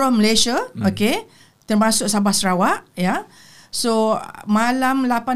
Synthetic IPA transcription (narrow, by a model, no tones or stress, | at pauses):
ɔhməlesaoke | t̪ərmãsʊk̚sabahsəɾawaʔja | somalamlapa